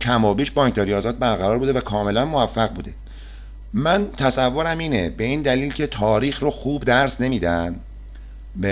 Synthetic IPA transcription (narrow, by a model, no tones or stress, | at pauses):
cʰæmɒːbiːʃbɒːŋk̚t̪ɒɾijɒːzɒːt̪̚bæɾɣæɾɒːɾbuːd̪evækʰɒːme̞lænmovæfːæɣbuːd̪e̞ | mænt̪ʰæsævːoɾæmiːnebe̞iːnd̪æliːlcʰe̞t̪ʰɒːɾiːxroxuːbd̪æɾsne̞miːd̪æn | b